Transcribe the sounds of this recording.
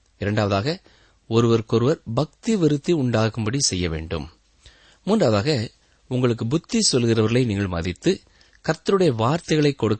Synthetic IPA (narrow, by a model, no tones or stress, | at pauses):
ɪɾɐɳɖaːʋɐðaːɣɐ | ɔɾɯʋɐɾkɔɾɯʋɐɾbɐk̚t̪iʋɪɾɯt̪ːiʊɳɖaːkɯmbɐɽisɛjːɐʋḛːɳɖɯ̰mː | uːndraːʋɐðaːɣɐ | ʊŋɡɐɭɯk̬ːɯbʊt̪ːisɔlɣɪrɐʋɐɾɣɐɭɐɪniːŋɡɐɭmɐ̰ðɪt̪ːɯ | kɐɾt̪ːɐɾɯɽɐjɐʋaːɾt̪ɐɪɣɐɭɐɪkːɔɽɯkː